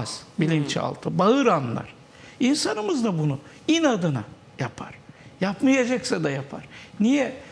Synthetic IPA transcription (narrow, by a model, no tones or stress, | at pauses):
z̥bilʲint͡ʃʰa̰lˠt̪ʰɯbaɯɾanlˠa̰ɾ̥ | insanɯmɯzd̪abunu | inad̪ɯna̰ | japʰa̰ɾ̥japmajad͡ʒaksad̪ajapʰa̰ɾ̥nijɛ